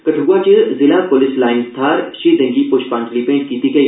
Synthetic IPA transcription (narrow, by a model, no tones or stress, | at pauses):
kɐʈʰɡuat͡ʃəzɪlapolɪslaːɪnst̪ʰaːɾʃeːd̪ɐ̃ŋɡipoʃpãːntlipẽːɳʈ̚kit̪ikʰɐ